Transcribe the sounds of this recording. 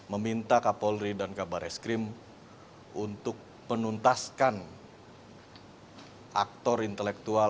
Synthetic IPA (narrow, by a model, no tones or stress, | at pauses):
məmint̪akapɔlɾidankabaɾʔɛskɾɪm | unt̪ʊk̚ | mənunt̪askan | ʔa̰k̚t̪ɔrint̪əlɛk̚t̪ua